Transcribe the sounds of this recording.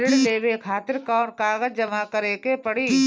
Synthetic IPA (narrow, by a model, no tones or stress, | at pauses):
ɾɪɽleːʋekʰaːt̪ɪɾkaːɾkaːɡəd͡ʒd͡ʒɐmakɐɾeːkepɐɽiː